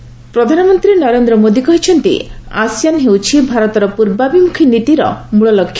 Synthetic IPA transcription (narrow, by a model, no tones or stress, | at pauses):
pɾɔd̪ʱanɔmɔnt̪ɾinɔɾend̪ɾɔmod̪ikɔɦit͡ʃʰɔnt̪ḭasijanɦewt͡ʃʰibʱaɾɔt̪ɔɾɔpuɾbabimukʰinit̪iɾɔ̰muɭɔlɔkʰːja